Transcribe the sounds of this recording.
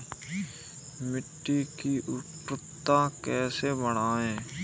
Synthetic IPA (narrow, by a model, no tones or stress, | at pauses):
mɪʈːikiʔʊʈɾət̪ːãkɛːsebəɽ̃aːẽː